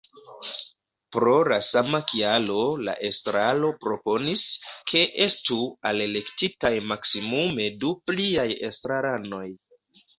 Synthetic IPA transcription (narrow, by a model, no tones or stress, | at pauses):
pɾo̞lasamakʰialo̞la̰ʔe̞stɾalo̞pɾo̞po̞niskʰe̞ʔe̞stuale̞le̞ktitajmaksimume̞dupliaje̞̰stɾaɾano̞j